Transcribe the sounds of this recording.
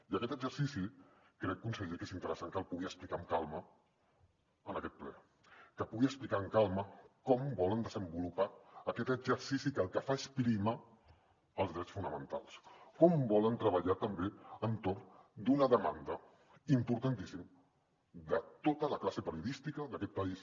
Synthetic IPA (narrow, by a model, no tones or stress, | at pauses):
iəkɛt̪əɡzəɾsisikɾɛkːunsəʎekezint̪əɾəsaŋkəlˠpuɣiəsplikaŋkalˠmə | ənəkɛt̪̚plɛ̰ | kəpuɣiəsplikaəŋkalˠməkɔmbɔlənd̪əzəmbulupaːkɛt̪əɡzəɾsisikəlˠkəfaespɾima | əlˠzðɾɛt͡sfunəmənt̪a̰lˠskɔmbɔlənt̪ɾəβəʎat̪əmbeənt̪ornd̪unəðəma̰nd̪ə | impuɾt̪ant̪isim | d̪ət̪ot̪ələklasəpəɾiuðist̪ikəðəkɛt̪̚pəis